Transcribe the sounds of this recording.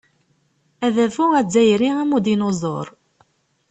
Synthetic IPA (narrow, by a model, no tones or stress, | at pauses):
æðævuæd͡zːæjɾiæmud̪inozˤo̰ɾˤ